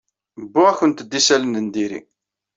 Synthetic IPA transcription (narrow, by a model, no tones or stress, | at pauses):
bːʊʁæçənt̪əd̪ːisælənənd̪iɾḭ